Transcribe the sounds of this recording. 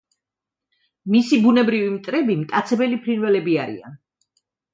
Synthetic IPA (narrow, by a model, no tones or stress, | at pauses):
misibunɛbɾivimt̪ʼɾɛbimt̪ʼat̪sʰɛbɛlipʰɾinvɛlɛbiaɾḭa̰n